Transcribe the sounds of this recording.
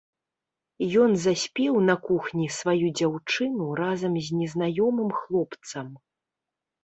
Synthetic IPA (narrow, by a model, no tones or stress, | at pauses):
jɔnzasʲpʲɛwnɐkuxnʲisvajud͡zʲawt͡ʂɨnurazɐmzʲnʲɛznajɔmɨmxlˠɔpt̪sɐm